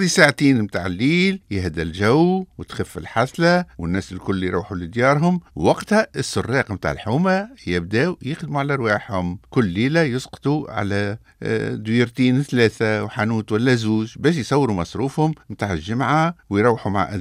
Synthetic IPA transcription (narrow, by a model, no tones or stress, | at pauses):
d̪isaʕt̪iːnmt̪aʕɪlːiːljɪɦd̪ælʒæwwɪt̪xɪfːɪlħaslæwɪnːæːsɪlkʊlːjɾˤṵːħulɪd̪jɑːɾˤɦʊmwɑqt̪hæəsːʊrˤːɑːqmt̪a̰ːʕə̰lħuːmæjɪb̚d̪æːwjɪxd̪muʕalæʔɑɾˤwɑːħhʊmkʊlːiːlæjʊsqt̪ˤuʕa̰læ̰ | d̪wiɾt̪iːnθlæːθawħanuːt̪wælːæzuːʒbæːʃ̬jsˤɑwːɾumɑsˤɾuːfhʊmmt̪aːʕɪlʒɪmʕawjɾˤɑwːħuma̰ʕʔæ̰